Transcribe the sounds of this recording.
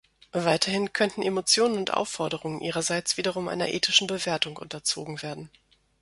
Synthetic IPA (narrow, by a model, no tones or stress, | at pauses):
vaɪtʰɐhɪnkʰœntn̩emot͡sjoːnənʊntʔa̰ʊfɔɐɾəʁʊŋənʔiːʁɐzaɪt͡sv̥iːdɐʁ̞ʊmʔa̰ɪnɐ̰ʔeːtɪʃn̩bəveːɐtʊŋʔʊ̰ntɐt͡so̰ːɡŋ̩veːɐdn̩